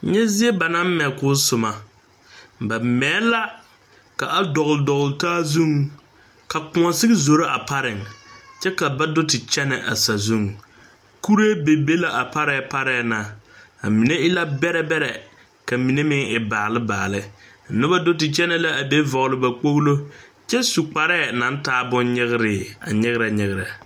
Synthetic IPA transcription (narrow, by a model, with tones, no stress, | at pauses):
ɲɛ˦zɪ˦e˦ba˨na˦m˦mɛ˨kʊː˦sʊ˨ma˨ | ba˨mɛː˨˦la˦ | ka˨ʔa˦dɔ˨ɣldɔ˨ɣʊ˨ltaː˦zu˦˨ŋ | ka˨kʊ˨ŋɔ˨sɪ˦ɡɪ˦zo˨ɾa˦ʔa˨pa˦ɾɪ˨ŋt͡ʃɛ˦ka˨ba˦dʊ˦tɪ˨t͡ʃɛ˦nɛ̰˨ʔa̰˨sa˨zu˦˨ŋ | ku˦ɾe˦be˨be˦la˨ʔa˨pa˦ɾɛ˦˨pa˦ɾɛː˨na˨a̰˨mi˨ne˦ɪ˦la˦bɛ˦ɾɛ˦bɛ˦ɾɛ˨ | ka˨mi˨ne˦mɪ˦ŋɪ˨baː˨lɪ˦ba̰ː˨lɪ˦˨ | nʊ˦ba˦dʊ˦tɪ˨t͡ʃɛ˦nɛ˦la˦ʔa˨be˦vɔ˨ɣlɪ˨ba˨k͡po˦ɣlo˦ | t͡ʃɛ˦su˨k͡pa˨ɾɛː˦˨na˨n˦taː˦bʊ˦nɲɪ˦ɣɪ˦ɾɪ˨a̰˨ɲɪ˦ɣɪ˦ɾa˨ɲɪ˨ɣɪ˨ɾa˨